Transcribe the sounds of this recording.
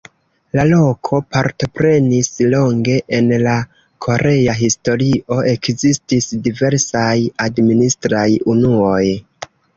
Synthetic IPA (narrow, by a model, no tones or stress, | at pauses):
lalo̞kʰo̞paɾto̞pɾe̞nislo̞ŋɡe̞ʔenla | kʰo̞ɾe̞aɦisto̞ɾiʔo̞ʔe̞kzistisdive̞ɾsajadministɾajunuo̞j